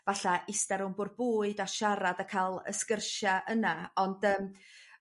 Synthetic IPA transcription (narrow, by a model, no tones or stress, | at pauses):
vaɬaʔɪstɛɾʊmbʊr̚buːɨdaʃaɾadakʰalˠə̰skərʃaʔənaɔndəːm